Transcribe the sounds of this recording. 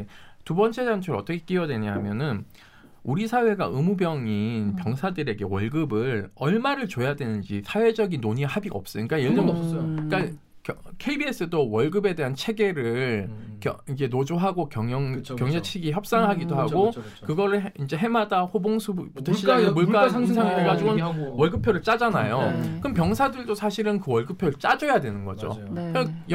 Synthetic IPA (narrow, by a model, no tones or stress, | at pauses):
etubʌnt͡ɕʰe̞d͡ʑant͡ɕʰuɾɭʌt͈ʌkʰe̞k͈iʌdwe̞ɲamjʌnɯn | uɾisʰawe̞ɡa̰ʔɯmubjʌŋinpjʌŋsʰadɯɾe̞ɡe̞wʌɭɡɯbɯɭʌɭmaɾɯɭt͡ɕojadwe̞nɯnd͡ʑḭsʰawe̞d͡ʑʌɡinːoɲiahabiɡa̰ʌp̚s͈ɯɲik͈ajeɭtɯk͈a | kʌkʰe̞ibie̞s͈ɯdowʌɭɡɯbe̞de̞ɦant͡ɕʰe̞ɡe̞ɾɯɭkʌid͡ʑe̞nod͡ʑoɦaɡokjʌŋjʌŋkjʌŋɲʌt͡ɕʰiɡiçjʌp̚s͈aŋɭɦaɡidoɦaɡo | kɯɡʌɾɯɭind͡ʑe̞ɦe̞madahoboŋsʰubbutʰk͈amuɭk͈ainsʰaŋeɡad͡ʑiɡonwʌɭɡɯpʰjoɾɯɭt͡ɕ͈ad͡ʑana̰jokɯmpjʌŋsʰadɯɭdosʰaɕʰiɾɯnkɯwʌɭɡɯpʰjoɾɯɭt͡ɕ͈ad͡ʑʌjadwenɯnɡʌ̰d͡ʑo̰k